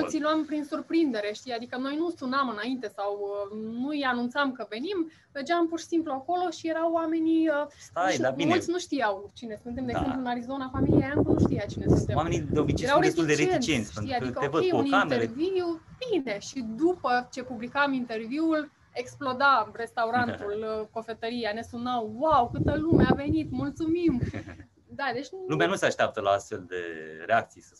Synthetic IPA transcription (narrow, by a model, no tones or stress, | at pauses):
kont̪inuampɾinsurpɾind̪e̞ɾe̞ʃt̪ijad̪ikəno̞jnusunamɨnaint̪e̞sawənuijanunt̪samkəve̞nim | verd͡ʒampurʃi̥simpluako̞lo̞ʃije̞ɾawːame̞niəajabminulsʲnuʃt̪ijawt͡ʃine̞sɨnt̪emd̪eɡzempluɨnaɾizo̞nafamilijajankunuʃt̪ijat͡ʃinesɨnt̪ewamenid̪eobit͡ʃeeɾawɾeest̪iuld̪et͡ʃɾeeint͡ʃiensʲfɨnad̪ikəoejunieviub̥ine̞ʃid̪upət͡ʃe̞publikamint̪e̞rviul | e̞ksplo̞d̪are̞st̪awɾanulko̞fe̞t̪əɾijane̞sunawwawkɨt̪əlumeave̞nit̪mult̪sumim | d̪ad̪e̞t͡ʃʲnulumeanuseaʃt̪eap̚t̪əlaast̪fe̞ld̪ḛɾeak̚t̪sijsə